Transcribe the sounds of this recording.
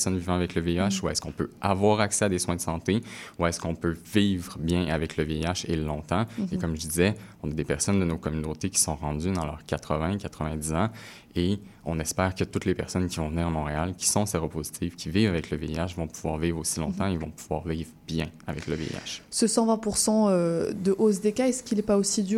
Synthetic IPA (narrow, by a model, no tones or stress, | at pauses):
sɔnvivɑ̃avɛkləveiaʃuɛskɔ̃pøavwaːʁaksɛad̪eswɛ̃d̪əsɑ̃t̪euɛskɔ̃pøviːvʁəbjɛ̃ʔavɛkləveiaʃelɔ̃t̪ɑ̃ekɔmʒəd̪izɛɔ̃nad̪epɛʁsɔnd̪ənokɔmynot̪ekʲi̥sɔ̃ʁɑ̃d̪yd̪ɑ̃lœ̰ːʁkʲat̪χəvɛ̃kat̪χəvɛ̃d̪izɑ̃ | e | ɔ̃nɛspɛːʁkət̪ut̪lepɛʁsɔnkʲivɔ̃vəniːʁamɔ̃ʁealkʲi̥sɔ̃seʁopozit̪ʰivkʲiviːvavɛkləveiaʃvɔ̃puv̥wa̰ːʁvivʁosilɔ̃t̪ɑ̃ilvɔ̃puv̥waːʁviːvʁbjɛ̃avɛkləvḛḭa̰ʃsəsɑ̃vɛ̃puʁsɑ̃ød̪əʔos̬d̪ekaɛskʲilɛpaosid̪y